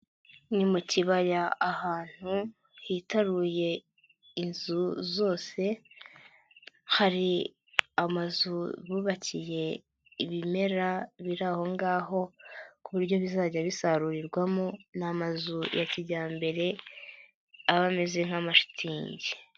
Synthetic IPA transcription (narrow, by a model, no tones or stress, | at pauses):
nimuciβajaːhaːn̥hu | hiːtaɾuje̞ | inzuzo̞ːse̞ | haɾi | amazuβuβacije̞ | iβime̞ɾaβiɾaho̞ŋɡaːɦo̞kuβuɾɟo̞βizaːɟaβisaɾuɾiɾɡwamonamazujʔaciɟaːmbe̞ɾe̞ | aβame̞ze̞ŋ̥hamaʃi̥tʰiːɲɟe